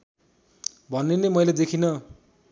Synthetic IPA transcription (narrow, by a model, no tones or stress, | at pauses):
bʱʌnːenemʌjled̪ekʰinʌ